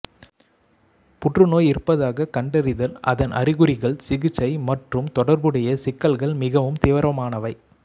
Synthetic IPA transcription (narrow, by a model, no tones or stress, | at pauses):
pʊʈrɯnoːjɪɾpːɐðaːɣɐkɐɳɖɐɾɪðɐlɐ̰ðɐnʔɐ̰ɾɪɣɯɾɪɣɐɭsɪɣɯt͡ʃːɐɪmɐʈrɯmt̪ɔɽɐɾbɯɽɐjɐsɪkːɐlɣɐɭmɪɣɐʋɯmt̪ɪːʋɐɾɐmaːnɐʋɐɪ